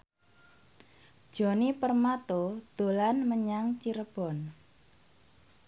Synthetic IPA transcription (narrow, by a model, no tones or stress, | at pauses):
d̥ʒ̥ɔ̤nipərmat̪od̪̥o̤lanməɲaŋt͡ʃiɾəb̥ɔ̤n